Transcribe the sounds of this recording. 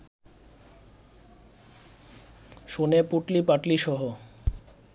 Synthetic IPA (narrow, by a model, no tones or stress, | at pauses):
ʃonepuʈlipaʈliʃɔɦo